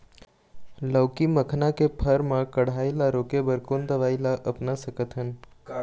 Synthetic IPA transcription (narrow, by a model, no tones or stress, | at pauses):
ləʊkiməkʰnãkepʰəɾmãkəɽ̤aːilaɾoːkebəɾkond̪əʋaːilaʔəpnasəkət̪ɦən